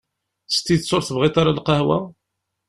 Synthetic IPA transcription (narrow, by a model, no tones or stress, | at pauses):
st̪ːit͡sːʊɾθəvʁit̪ˤaɾalqɑhwæ